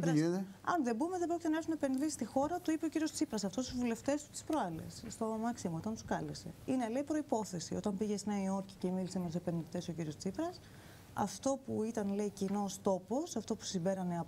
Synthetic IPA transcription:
tɾieɐ̰nðebume̞ðe̞bɾocʲit̪enɐexumepenɾisist̪ixo̞ɾɐt̪uipe̞o̞ciɾiost͡sipɾɐsɐft̪o̞st̪uzvule̞ft̪e̞st̪u̥t̪i̥spɾoɐlḛsst̪o̞mɐksimoo̞t̪ɐnt̪u̥skɐlese̞̰inele̞ipɾo̞ipo̞θe̞sio̞t̪ɐmbiʝesnɐio̞ɾci̥cemilisemet̪usepenɾt̪e̞sociɾio̞st͡sipɾɐs | ɐ̰ft̪o̞puit̪ɐnle̞icino̞st̪o̞po̞sɐft̪o̞pu̥simbe̞ɾɐneɐ

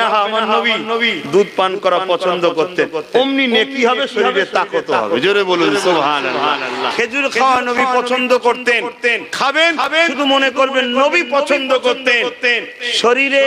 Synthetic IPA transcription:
aɦamaɦobibid̪ud̪̚pankɔɾapɔt͡ɕʰond̪okoɾt̪enomninekiɦɔbeʃoɾiɾet̪akot̪bed͡ʑoɾebolunso | kʰed͡ʑuɾkʰawanobipɔt͡ɕʰond̪okoɾt̪enenkʰabebeud̪ʱumonekoɾbenːobipɔt͡ɕʰond̪okoɾt̪et̪enʃoɾiɾe

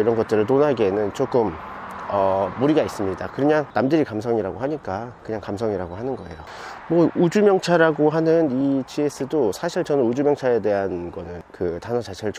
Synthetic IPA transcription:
iɾʌnɡʌt̚t͈ɯɾɯɭtonɦaɡe̞nɯnt͡ɕok͈ɯmʌːuɾiɡais͈ɯmɲidakɯɾɯɲaŋnamdɯɾikamsʰʌŋiɾaɡoɦaɲik͈akɯɲaŋkamsʰʌŋiɾaɡoɦanɯnɡʌe̞̰jo | mwʌud͡ʑumjʌŋt͡ɕʰaɾaɡoɦanɯnit͡ɕies͈ɯdosʰaɕʰiɭt͡ɕʌnɯnud͡ʑumjʌŋt͡ɕʰae̞de̞ɦanɡʌnɯnkɯtanʌt͡ɕat͡ɕʰeɾɯɭt͡ɕ

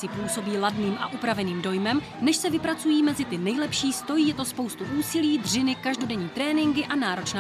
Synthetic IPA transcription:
ɪpuːso̞biːladniːmʔaʔupɾavɛniːmdo̞jmɛm | nɛʃsɛvɪpɾat͡sujiːmɛzɪt̪ɪnɛjlɛpʃiːst̪o̞jiːjɛt̪o̞spo̞wst̪uʔuːsɪliːd̪r̝ɪnɪkaʒdo̞dɛɲiːt̪ɾɛːnɪŋɡɪʔanaːɾo̞t͡ʃnaː

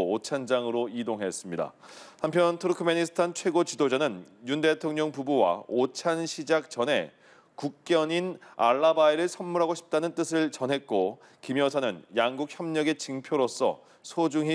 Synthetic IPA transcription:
ot͡ɕʰand͡ʑaŋɯɾoidoŋɦe̞s͈ɯmɲida̰ | hampʰjʌntʰuɾukʰɯmeɲisʰɯ̥tʰant͡ɕʰwe̞ɡot͡ɕidod͡ʑanɯnjunde̞tʰoŋɲʌŋpubuwa̰ot͡ɕʰanɕʰid͡ʑak̚t͡ɕʌnɦe̞̰ | kuk̚k͈jʌɲina̰ɭːabaiɾɯɭsʰʌnmuɾɦaɡoɕʰi̥p̚t͈anɯnt͈ɯsʰɯɭt͡ɕʌnɦe̞t̚k͈o | kimjʌsʰanɯnjaŋɡuk̚çjʌmɲʌɡe̞t͡ɕɯŋpʰjoɾos͈ʌ̰ | sʰod͡ʑuŋɦi

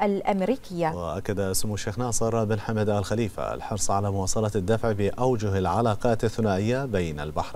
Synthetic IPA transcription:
ʔalʔamɾiːkɪjːawɪʔakːad̪aʔɪsmʊʃeːxnɑːsˤɨɾˤbɪnħamad̪ʔalxaliːfa̰a̰lħɑɾˤsˤʕalamʊwɑːsˤɑlɑd̪ːafʕbɪʔawd͡ʒʊhɪlʕalɑːqɑːt̪aθːʊnaːʔɪjːabejna̰lbaħɾˤ

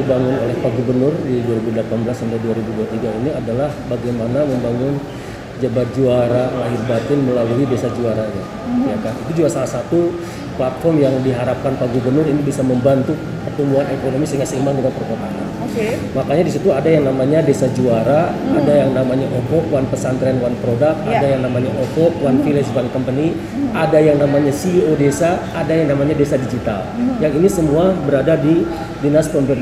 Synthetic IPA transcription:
ibaŋʊnolɛhpaɡubərnʊrdiduwaɾibudəlapanbəlasamdaduaɾibuduat̪iɡainiadalahbaɡajmanaməmbaŋʊn | d͡ʒabat̪̚d͡ʒuaɾaŋaɦɪrbat̪ɪnməlaluidesad͡ʒuaɾaja | jakanit̪ud͡ʒuɡasalahsat̪u | plat̪̚fɔrmjaŋdiɦaɾap̚kanpaɡubərnʊrinibisaməmbant̪u | pərt̪umbuɦanekonomisəŋasəimaŋɡumapərkat̪aʔa̰nokemakaɲadisit̪uadajaŋnamaɲadesad͡ʒuaɾaːdajaŋnamaɲaʔokɔkwanpəsant̪ɾɛnwanpɾodak̪̚adajaŋnamaɲaʔokɔkwanfilɛsbankəmpəni | adajaŋnamaɲasiodesaːdajaŋnamaɲadesadid͡ʒit̪a̰ljaŋinisəmuabəɾadadi | dinaspɔnbɛ

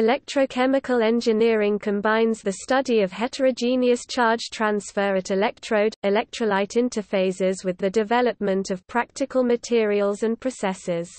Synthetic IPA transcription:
ɪlɛk̚tʰɹ̥əʊkʰɛmɪkʰəlɛ̃nd͡ʒɪnɪəɹɪ̃ŋkʰə̃mbãɪ̃nzðəstʌdiəv̥hɛtʰəɹəʊd͡ʒĩniəst͡ʃʰɑːd̥d͡ʒʒ̥tʰɹ̥ãnsfəːɹətɪlɛk̚tʰɹ̥oʊdɪlɛk̚tɹ̥əlaɪtʰɪ̃ntʰəfeɪzɪzwɪðədɪvɛləp̚mə̃ntəv̥pʰɹ̥ak̚tɪkʰəlˠmətʰɪəɹiəlˠzə̃npʰɹ̥əsɛsɪz̥

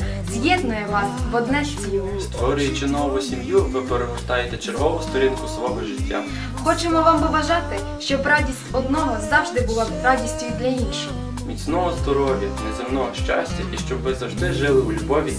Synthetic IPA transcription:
zʲjɛd̪nʊjɛʋɑsʋɔd̪nɛsʲmʲji | st̪ʋɔɾʲʊjet͡ʃɪnɔʋʊsʲimjuʋɪpeɾemʊʃt̪ɑjet̪ɛt͡ʃerɦɔʋʊst̪ɔɾʲinkʊsʋɔɦɔʒɪtʲːa̰ | xɔt͡ʃemɔʋɑmʋɔʋɐʒɑt̪ɪ | ʃt͡ʃɔbɾɑdʲisʲtʲɔd̪nɔɦɔzɑwʒd̪ɪbʊlˠɔrɑdʲisʲtʲijd̪ʲlʲɐinʃɪx | mʲit͡sʲnɔɦɔzd̪ɔɾɔʋʲjɐnɛzemnɔɦɔʃt͡ʃasʲtʲɐʔiʃt͡ʃɔbʋɪzɐwʒd̪ɪʒɪlˠɪulʲubɔʋʲi

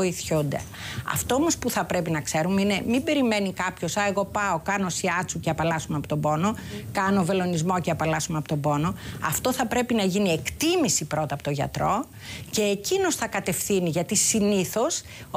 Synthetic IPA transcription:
oiθçund̪ḛ | ɐ̰ft̪o̞omo̞spuθɐpɾe̞pinɐkse̞ɾumeine̞mibe̞ɾime̞nikɐpço̞sɐe̞ɣo̞pɐo̞kɐno̞siɐt͡suceɐpɐlɐsumeɐpo̥t̪o̞bo̞no̞ | kɐno̞ve̞lo̞nizmo̞ceɐpɐlɐsumeɐpo̥t̪o̞bo̞no̞ɐ̰ft̪o̞θɐpɾe̞pinɐʝinie̞kt̪imisipɾo̞t̪ɐpo̥t̪oʝɐ̰t̪ɾo̞ | ce̞ːcino̞sθɐkɐt̪e̞fθiniʝɐt̪isiniθo̞s

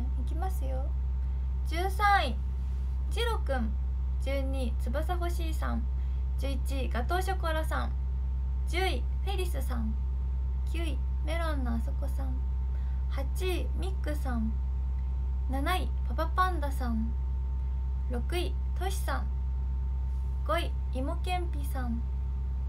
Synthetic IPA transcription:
ikʲimasɨjo | d͡ʑɨːsãɰ̃i | d͡ʑiɾo̞kɯ̟̃n | d͡ʑɨːɲ̟it͡sɨbasaho̞ɕiːsã̰n | d͡ʑɨːit͡ɕiɡat̪o̞ːɕokoaɾasã̰n | d͡ʑɨːi | ɸe̞ɾʲisɨsãŋ | kʲɨːi | me̞ɾanːoaso̞ko̞sãɴ | hat͡ɕi | mʲikːɯ̟sãŋ | nanai | papapãnd̪asãɴ | ɾo̞kɯ̟i | t̪o̞ɕi̥sãŋ | ɡ̥o̞i | imo̞kẽ̞mpʲisãŋ

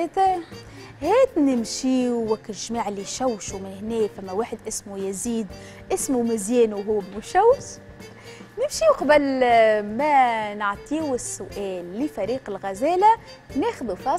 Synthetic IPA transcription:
et̪æ | hæːt̪nɪmʃiːwwækːɪʒmaːʕlːiʃæwːʃumɪnhnɛːfæmːæwaːħɪd̪ʔɪsmujɪziːd̪ | ʔɪsmumɪzjɛːnuɦʊwːbmʊʃæwːʃ | nɪmʃiːwqɑbælmænaʕt̪ˤiːwɪsːʊʔɛːlːifæɾiːqɪlɣæzæːlænɛːxðufɑː

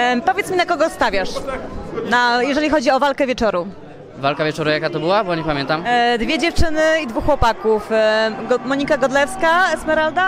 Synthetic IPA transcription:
pɔvʲɛt̪smʲinakɔɡɔst̪avʲjaʂ | najɛʐɛlʲixɔd͡ʑiɔvalkɛvʲjɛt͡ʂɔɾu | valkavʲjɛt͡ʂɔɾujakat̪ɔbɘwabɔɲɛpamʲjɛnt̪amd̪vʲjɛd͡ʑɛft͡ʂɘnɘid̪vuxːwɔpakufɡmɔɲikaɡɔd̪lɛfskasmɛɾald̪a

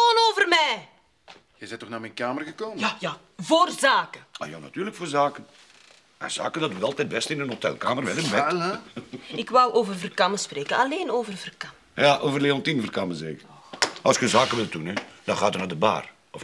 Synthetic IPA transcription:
oːnoːvərmɛj | jɛjzɛjtɔxnaːmɛjnkaːmərɣəkoːməja | voːrzaːkəa̰janatyːrləkfoːrzaːkən | a̰nz̥a̰ːkəndɑtəɑlˠtɛt̚bɛstɪnənɦotɛ̰lˠkaːmərʋɛdənbɛ | ɪkʋɑwʔoːvərvərkɑməspreːkəɑleːnoːvərvərkɑm | jaʔoːvərleɔntinvərkaməzḛːkəʔɑ̰lˠskəzaːkəʋɪlˠtdunɛd̥ɑnχaːdənaːdəba̰ːr | ɔf

